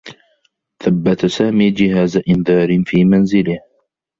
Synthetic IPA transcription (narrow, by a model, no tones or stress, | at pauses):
θabːat̪saːmiːd͡ʒɪɦaːzaʔɪnðɑːɾɪnfiːmanzɪlɪh